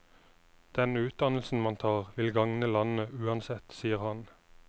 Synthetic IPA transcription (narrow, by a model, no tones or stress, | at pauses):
d̪̥ɛnʉːt̪̚d̪ɑnl̩sn̩mɑnt̪ʰɑːʁʋɪlɡɑŋnəlɑnəʉːɑnsɛt̪siːəʁhɑn